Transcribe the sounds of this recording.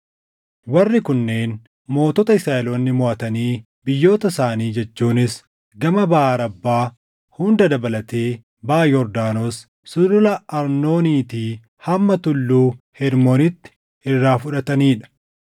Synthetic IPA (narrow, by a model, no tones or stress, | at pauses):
wɐrːɪkʊnːe̞ːn | mo̞ːt̪ɔt̪ɐɪsaːʔɛloːnːɪmʊʔɐt̪ɐniː | bɪjːo̞ːt̪ɐsaːniːd͡ʒɛt͡ʃːuːnɪs | ɡɐmɐbɐaːɾɐbːaː | hʊnd̪ɐd̪ɐbɐlɐt̪e̞ː | baːjɔɾd̪aːnos | sʊd̪ʊlɐɐɾno̞ːniːt̪iː | hɐmːɐt̪ʊlːuːhɛɾmoːnɪt̪ːɪ̥ | ɪrːaːfʊᶑɐt̪ɐniːᶑɐ̥